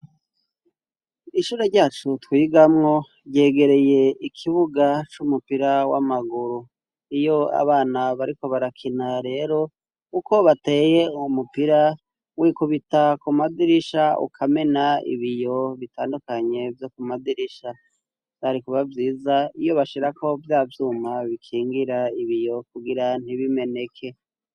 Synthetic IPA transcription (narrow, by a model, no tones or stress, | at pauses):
iʃuːɾaɾɟaːt͡ʃutwiːɡamŋo̞ | ɟe̞ːɡe̞ɾe̞je̞ikʰiβuɡat͡ʃumupiɾawamaɡuɾu | ijo̞a̰βaːnaβaɾiko̞βaɾakʰinaɾe̞ːɾo̞ | uko̞βate̞ːje̞umupiɾa | wiːkuβitakumadiɾiʃaṵkʰame̞naḭβijo̞βitʰaːndukaɲe̞vjo̞kumadiɾiʃa | aɾikuβavjiːzaijo̞βaʃiɾako̞vjaːvjuːmaβikʰiːŋɡiɾaiβijo̞kuɡiɾan̥iβime̞ne̞kʰe̞